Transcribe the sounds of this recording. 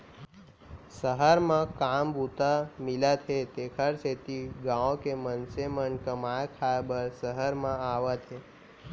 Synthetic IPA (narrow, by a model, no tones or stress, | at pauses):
səɦəɾmãkambʱut̪amilat̪ʰet̪ekʰəɾset̪iɡãõkemənsemənkəmajkʰabəɾsəɦəɾmãaʋat̪ʰe